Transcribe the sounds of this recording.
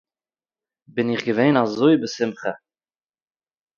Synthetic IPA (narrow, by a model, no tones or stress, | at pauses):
bɪniχɡəvɛːnɑzːojbəsɪmχə